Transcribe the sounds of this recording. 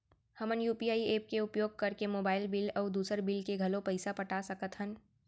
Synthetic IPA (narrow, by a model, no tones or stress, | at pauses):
hɐmənjuːpiaːieːp̚keʊpjoːɡ̚kɐɾkemoːbaːɪlbɪlɔːd̪uːsəɾbɪlkeɡʱɐlõpɐɪsapɐʈasɐkət̪ɦən